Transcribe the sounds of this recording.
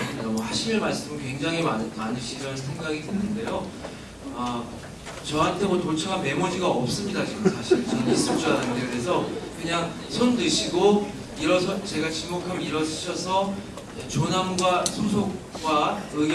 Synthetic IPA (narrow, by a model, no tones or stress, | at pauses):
ɯmiɡamwʌhaɕʰiɭmaɭs͈ɯmɯnkwe̞ŋd͡ʑaŋɦimamanɯɕʰiɾʌnsʰe̞ŋɡaɡidenːɯnde̞jo | ʌ | t͡ɕʌɦantʰe̞mʌtot͡ɕʰaɡanme̞mʌd͡ʑiɡaʌp̚s͈ɯmɲidat͡ɕiɡɯmsʰaɕʰiɾt͡ɕʌnes͈ɯmd͡ʑuanɯndekɯɾe̞sʰʌkɯɲaŋ | sʰondɯɕʰiɡo | iɾʌsʰʌt͡ɕe̞ɡat͡ɕimokʰɯmiɾʌsʰɯɕʰʌsʰʌ | et͡ɕonamɡwasʰosʰok | k͈waɯɡ